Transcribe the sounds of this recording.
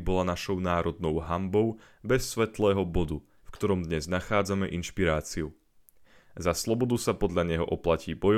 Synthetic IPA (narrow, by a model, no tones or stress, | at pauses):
bɔlanaʃɔʊnaːɾɔd̪nɔʊɦambɔʊ | bɛsːʋɛt̪lɛːɦɔbɔd̪u | fkt̪ɔɾɔmd̪ɲɛznaxaːd͡zamɛʔinʃpiɾaːt͡siu | zaslɔbɔd̪usapɔd̪ʎaɲɛɦɔʔɔplaciːbɔj